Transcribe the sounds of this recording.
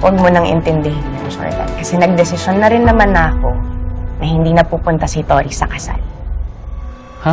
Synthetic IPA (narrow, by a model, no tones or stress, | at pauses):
wʔɐɡ̚mʊnɐŋʔɛ̰nt̪ɛnd̪ɛɦɪnːɛnso̰ɪ̰t̪ɐ̰kɐsɛnɐɡ̚d̪ɛsɪʃonːɐɾɪnːɐmanɐko̞nɐhɪnd̪iːnɐpuːpʊnt̪ɐsit̪oːɾisɐkɐsa̰l | ha